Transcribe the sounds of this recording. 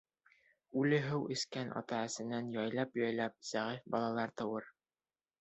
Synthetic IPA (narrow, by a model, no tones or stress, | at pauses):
ʉlɘɦɘwʔɘ̆skænʔɑ̰t̪ɑæ̆sɘ̆nænjɑjlˠɑpjɑjlˠɑp̚sæʁifbɑlˠɑlˠɑɾt̪ɤ̆wɤɾ